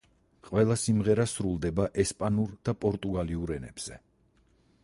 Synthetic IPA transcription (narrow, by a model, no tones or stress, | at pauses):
qʼwɛlˠasimʁɛɾasɾulˠd̪ɛbaʔɛspʼanuɾd̪̥apʼɔɾt̪ʼuɡaliuɾɛnɛ̰b̥z̥ɛ